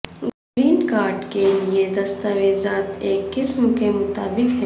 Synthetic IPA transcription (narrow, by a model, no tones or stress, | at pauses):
ɡɾiːnkaːɾɖkelijed̪ɐst̪aweːzaːt̪eːkːɪsmkemʊt̪aːbɪkɦɛ